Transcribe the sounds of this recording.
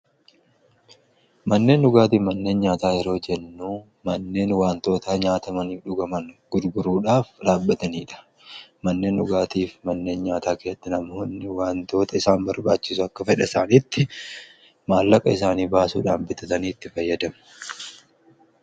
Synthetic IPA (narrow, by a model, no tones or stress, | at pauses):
mɐnːe̞ːnɗʊɡaːt̪iːmɐnːe̞ːnɲaːt̪aːjɛɾo̞ːd͡ʒɛnːuː | mɐnːe̞ːnwaːnt̪o̞ːt̪aːɲaːt̪ɐmɐniːfᶑʊɡɐmɐnɡ̥ʊd̪ɡʊɾuːᶑaːfᶑaːbːɐt̪ɐniːᶑɐ̥ | mɐnːe̞ːnᶑʊɡaːt̪iːfmɐnːe̞ːnɲaːt̪aːkeːɐt̪ːɪnɐmɐhʊnːɪwaːnt̪o̞ːt̪ɐɪsaːmbɐɾbaːt͡ʃːɪsʊɐkːɐfɛᶑɐɪsaːniːt̪ːɪ | maːlːɐkʼɐɪsaːniːbaːsṵːᶑaːmbɪt̪ɐt̪ɐniːt̪ːɪfɐjːɐd̪ɐmɐ̥